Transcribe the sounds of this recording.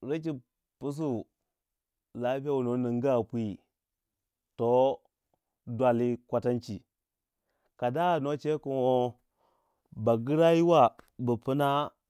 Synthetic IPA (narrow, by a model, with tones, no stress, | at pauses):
ɾi˦t͡ʃi˨ | pu˦s̬u˦ | la˦pi˦a˦wu˨no˨˦ni˨ŋɡa˦˨pʷi˦ | to˦ | dwa˨li˦kʷa˨ta˦nt͡ʃi˨ | ka˨da˦˨no˦t͡ʃe˦ku˨nwo˦ | ba˨ɡi˦ɾa˦ji˦wa˦˨bə˨pu˦na˦